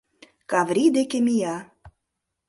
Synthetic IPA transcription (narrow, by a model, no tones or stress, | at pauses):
kɑvɾʲid̪ekemʲijɑ